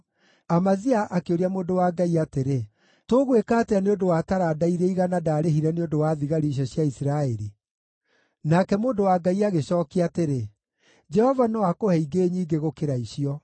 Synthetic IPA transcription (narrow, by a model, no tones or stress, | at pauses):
amaziaʔakeoɾiamoːndowaɡaiateɾe | toːɣwekatɛaneondowaːtaɾadaiɾɛiɣanadaːɾeɦiɾɛneondowaːðiɣaɾiɕ̬ɔɕjaisiɾaɛɾi | nakɛmoːdowaɡaiaɣeɕɔːkiateɾe | d͡ʒɛhɔvanɔakohɛiɡeːɲiːɡeɣokeɾaiɕiɔ